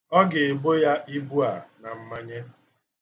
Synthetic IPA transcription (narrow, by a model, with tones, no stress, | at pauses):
ɔ˦ɡɪ˨ɪ˨bo˦ja˦ʔi˦bu˦a˨na˨m̩˦ma˦ɲe˦